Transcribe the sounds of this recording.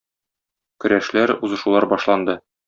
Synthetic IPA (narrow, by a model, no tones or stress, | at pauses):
kɵ̆ɾæʃlæɾuzɤ̆ʃulˠɑɾbɒʃlˠɑnd̪ɤ